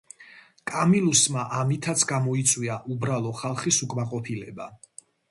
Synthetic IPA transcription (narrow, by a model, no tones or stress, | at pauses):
kʼamilusmaʔamit̪ʰat̪sʰɡamɔit̪sʼwiaʔubɾalˠɔχalˠχisukʼmaqʼɔpʰilɛba